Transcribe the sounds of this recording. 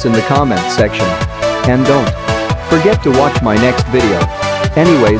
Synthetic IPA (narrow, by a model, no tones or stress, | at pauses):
sɨ̃nðɨkʰɑmɛ̃ntsɛkʃɨ̃nɨ̃ndõʊ̃ntfə˞ɡɛtʰəwɑt͡ʃmaɪnɛkstvɪɾioʊɛñiweɪ